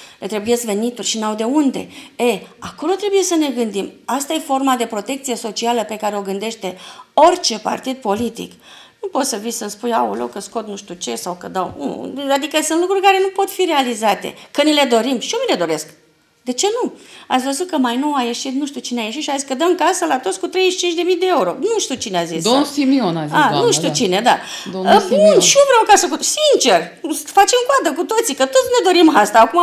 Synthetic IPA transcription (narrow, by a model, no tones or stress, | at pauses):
le̞t̪ɾebuje̞skve̞nit̪urʲʃinawd̪e̞und̪e̞̰eako̞lo̞t̪ɾe̞buje̞səne̞ɡɨnd̪imast̪aje̞fo̞rmad̪e̞pɾo̞t̪e̞kt̪sije̞so̞t͡ʃialəpe̞kaɾe̞o̞ɡɨnd̪e̞ʃt̪e̞o̞rʲt͡ʃe̞pa̰rt̪id̪̚po̞lit̪ḭk | nupo̞t̪səvisənspuja̰ulokːəsko̞t̪nuʃt̪ut͡ʃe̞sawkəd̪awṵad̪ikəsunt̪lukɾurʲkaɾe̞nupo̞t̪fiɾe̞alizat̪e̞̰kənile̞d̪o̞ɾimʃiomile̞d̪o̞ɾe̞sk | d̪e̞t͡ʃe̞nuat̪sʲvəzut̪̚kəmajnoaje̞ʃit̪̚nuʃt̪iut͡ʃineajeʃit̪ʃiaziskəd̪əmkasəlat̪o̞t̪skut̪ɾe̞jʃt͡ʃint͡ʃʲd̪e̞mijd̪e̞euɾo̞̰nuʃt̪it͡ʃineazisosimionazanuʃt̪it͡ʃined̪ad̪əbunʃiovɾeawkasəkusint͡ʃe̞r | fat͡ʃemkoad̪əkut̪o̞t̪sikət̪o̞t̪sne̞d̪o̞ɾimast̪aːkuma